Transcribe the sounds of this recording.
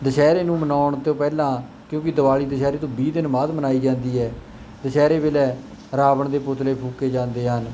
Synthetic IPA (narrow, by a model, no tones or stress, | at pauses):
d̪əʃɛːɾeːnũːmənaːʊɳt̪õːpɛːlãː | kjõːkɪd̪əʋaːliːd̪əʃɛːɾeːt̪õːbiːd̪ɪnbaːd̪mənaːiːd͡ʒãːnd̪iːɦɛː | d̪əʃɛːɾeːbelɛː | ɾaːbəɳd̪eːpʊt̪leːpʰuːkːeːd͡ʒãːnd̪eːɦən